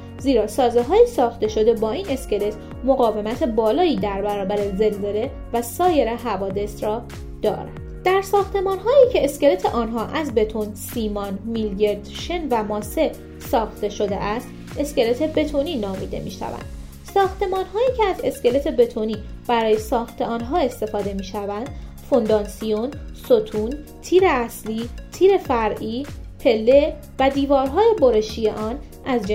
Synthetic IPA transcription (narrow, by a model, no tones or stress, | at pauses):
ziːɾɒːsɒːzeɦɒːjesɒːxt̪e̞ʃo̞d̪e̞bɒːiːne̞sce̞le̞t̪ʰ | moɣɒːve̞mæt̪ʰe̞bɒːlɒːiːd̪æɾbæɾɒːbæɾeze̞lze̞le | væsɒːje̞ɾeɦævɒːd̪e̞sɾɒː | d̪̥ɒ̰ːɾæ̰ndd̪d̪̥æɾsɒːxt̪e̞mɒːnɦɒːiːcʰe̞ːsce̞le̞t̪ʰeʔɒːnɦɒːʔæzbe̞t̪ʰonsiːmɒnmiljeɾd̪ʃenvæmɒːse | sɒːxt̪e̞ʃo̞d̪ḛʔæst̪ | e̞sce̞let̪ʰe̞be̞t̪ʰoninɒːmḭːd̪e̞̰mḭːʃæ̰væ̰nd̪̥ | sɒːxt̪e̞mɒːnɦɒːjiːcʰeæze̞sce̞le̞t̪ʰe̞be̞t̪ʰoniːb̥æɾɒːje̞sɒːxt̪ʰe̞ɒːnɦɒːe̞st̪e̞fɒːd̪e̞miːʃævænd̪̥ | fo̞nd̪ɒːnsijonsot̪ʰunt̪ʰiːɾe̞æsliːt̪ʰiːɾe̞fæɾʔiːpʰe̞lːe | væd̪iːvɒːɾɦɒːjeboɾe̞ʃijḛʔɒːn | ʔæzd͡ʒ